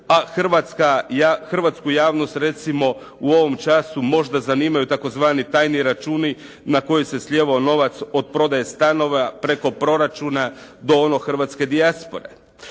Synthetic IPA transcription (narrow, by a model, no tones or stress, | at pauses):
axr̩ʋat̪skaaxr̩ʋat̪skujaːʋno̞st̪ɾe̞t̪simo̞ | uo̞ʋo̞mt͡ʃasumo̞ʒd̪azaniːmajut̪ako̞zʋaːnit̪aːjniɾat͡ʃuːni | nako̞jese̞slʲjeːʋaono̞ʋat̪so̞d̪̚pɾo̞d̪aje̞st̪ano̞ʋapɾe̞ko̞pɾo̞ɾat͡ʃunad̪o̞ono̞xr̩ʋat̪ske̞d̪iaspo̞ɾe̞̰